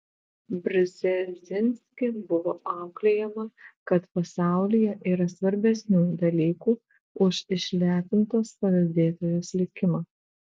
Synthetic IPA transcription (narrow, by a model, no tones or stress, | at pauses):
bʲɾʲɪzʲɛzʲɪnʲsʲkʲɪbʊʋoːʔɑˑʊklʲɛjɛmɐkɐt̪pɐsɑˑʊlʲɪjɛʔiːɾɐsʋɐɾʲbʲɛsʲnʲuːd̪ɐlʲiːkuː | ʊʃɪʃʲlʲæːt̪ʲɪnt̪oːspɐlʲɐd̪ʲeːt̪oːjoːslʲɪkʲɪmɑː